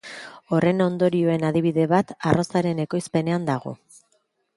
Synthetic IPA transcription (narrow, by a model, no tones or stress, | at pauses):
o̞re̞no̞nd̪o̞ɾio̞e̞naðiβ̞iðe̞βat̪aro̞saɾe̞ne̞ko̞jspe̞ne̞and̪aɣo̞̰